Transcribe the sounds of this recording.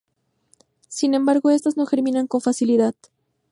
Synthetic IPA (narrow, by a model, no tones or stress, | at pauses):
sinẽ̞mbaɾɣo̞e̞st̪azno̞xe̞ɾmĩnaŋko̞ɱfasiliðað